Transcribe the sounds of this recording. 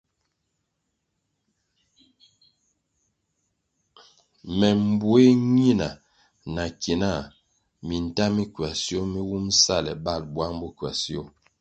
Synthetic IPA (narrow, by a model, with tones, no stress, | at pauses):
mɛ˨m˨bwe˦ɲi˦na˨ | na˨ki˨na˦˨ | mi˨n̩˨ta˦mi˦kɥa˨sjo˦mi˦wu˦msa˦˨lɛ̰˨ba˦˨lbwa˦ŋbu˦kɥa˨sjo˦˨